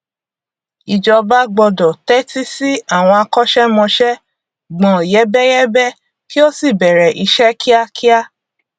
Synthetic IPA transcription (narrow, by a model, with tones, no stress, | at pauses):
i˨d͡ʒɔ˧ba˦ɡ͡bɔ˧dɔ˨tɛ˦ti˦si˦a˦˨w̃ɔ̃˧a˧kɔ˦ʃɛ˦mɔ̃˧ʃɛ˦ | ɡ͡bɔ̃˨jɛ˦bɛ˦jɛ˦bɛ˦ | ki˦o˦si˦˨bɛ˨ɾɛ˨ʔi˧ʃɛ˦kʰi˦a˦kʰi˦a˦